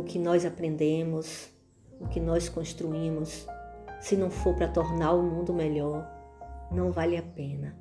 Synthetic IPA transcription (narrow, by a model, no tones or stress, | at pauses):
ʊkɪnɔjzapɾẽnd̪ẽmʊs | ʊkɪnɔskõst̪ɾuĩmʊsː | ɪnɐ̃w̃foɾpɾɐt̪oɾnaɾʊmũnd̪ʊmeʎɔɾnɐ̃w̃valɪapẽnɐ